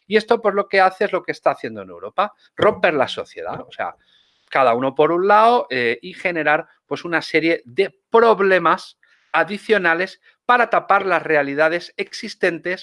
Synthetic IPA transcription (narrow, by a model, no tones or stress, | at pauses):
ie̞st̪o̞pwozlo̞ke̞aθeezlo̞keːst̪aːθje̞nd̪one̞wɾo̞pa | ro̞mpe̞ɾlaso̞̰θje̞̰ð̞a̰ose̞̰a̰ | kað̞auno̞po̞ɾunlaoʔeixe̞ne̞ɾaɾ | pwe̞sunase̞ɾje̞ðe̞pɾo̞βle̞mas | aðiθjo̞nale̞s | paɾat̪apaɾlazre̞alið̞að̞e̞se̞ksist̪e̞nt̪e̞s